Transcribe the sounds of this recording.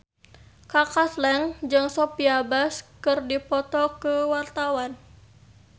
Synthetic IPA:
kakaslɛŋd͡ʒɨŋsɔpiabaskɨrdipɔt̪ɔkəwart̪awan

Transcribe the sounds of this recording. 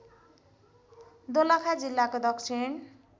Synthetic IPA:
d̪olakʰad͡zilːakod̪ʌksʰin

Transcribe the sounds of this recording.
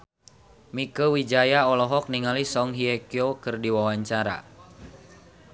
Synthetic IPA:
mikəwid͡ʒajaɔlɔɦɔk̚niŋalisɔŋɦiɛkiokɨrdiwawaɲt͡ʃaɾa̰

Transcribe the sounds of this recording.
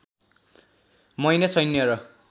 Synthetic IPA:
mʌjnesʌjnːjʌɾʌ

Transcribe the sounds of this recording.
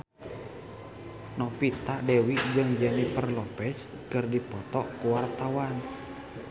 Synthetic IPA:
nɔpit̪aʔdɛwiʔd͡ʒɨŋd͡ʒɛnipərlɔpɛt͡ʃ | kɨrdipɔt̪ɔkuwart̪awan

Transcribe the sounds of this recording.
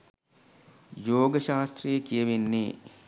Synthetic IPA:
joːɡəʃaːst̪rijəkijəʋenːḛː

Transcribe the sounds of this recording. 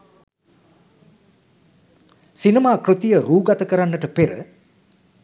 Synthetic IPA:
sinimaːkrɨt̪ijəɾuːɡat̪əkəɾanːəʈəpeɾə̰

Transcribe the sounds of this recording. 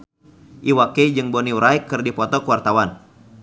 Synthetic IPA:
ʔiwaked͡ʒɨŋbɔniɾaikːɨrdipɔt̪ɔkəwart̪awan

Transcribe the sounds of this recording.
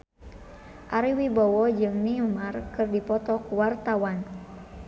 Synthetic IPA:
ʔaɾiwibɔwɔd͡ʒɨŋniumarkɨrdipɔt̪ɔkuwart̪awan

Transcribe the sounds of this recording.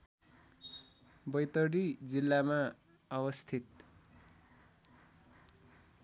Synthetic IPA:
bʌjt̪ʌɽid͡zilːama | ʌwʌst̪ʰit̪̚

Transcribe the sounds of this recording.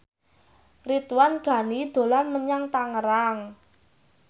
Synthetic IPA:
rit̪wanɡ̥a̤nid̪̥o̤lanməɲaŋt̪aŋəɾaŋ

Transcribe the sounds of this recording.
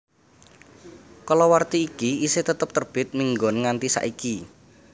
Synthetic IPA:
kɔlɔwart̪iːkiiset̪ət̪əp̚t̪ərb̥ɪt̪̚miŋɡonŋant̪isa̰ʔiki

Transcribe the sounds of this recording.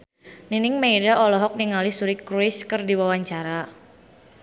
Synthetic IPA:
ninɪŋmeidaʔɔlɔɦɔk̚niŋalɪsuɾɪkːɾuɪskɨrdiwawaɲt͡ʃaɾa

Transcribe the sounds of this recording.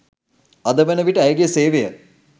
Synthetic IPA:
ɐd̪əʋenəʋiʈəæjɡejəseːʋejə

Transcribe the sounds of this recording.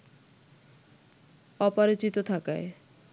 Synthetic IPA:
ɔpaɾit͡ɕit̪ot̪ʰakae

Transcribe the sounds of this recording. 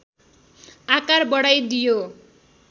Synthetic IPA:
akarbʌɽajd̪ijo

